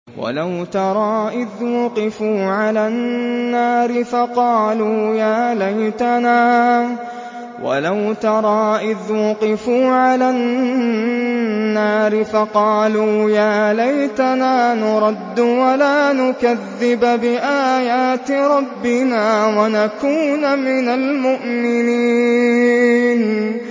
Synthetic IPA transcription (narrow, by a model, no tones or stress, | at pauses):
wa̰lawt̪ɑɾˤɑːʔɪðwʊqɪfuːʕalanːaːɾɪfɑqɑːluːjaːlajt̪anaː | wa̰lawt̪ɑɾˤɑːʔɪðwʊqɪfuːʕalan | aːɾɪfɑqɑːluːjaːlajt̪anaːnʊɾˤɑd̪ːʊwalaːnʊkaðːɪbbɪʔaːjaːt̪ɪɾˤɑbːɪnaːwanakuːnmɪnalmʊʔmɪniiː | n